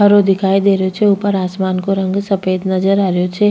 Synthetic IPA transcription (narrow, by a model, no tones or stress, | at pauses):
ɦɐɾod̪ɪkʰaːid̪eːɾejot͡ʃʰeuːpəɾaːsmaːnkoɾɐ̃ŋɡsɐpeːd̪nɐzəɾaːɾejot͡ʃʰe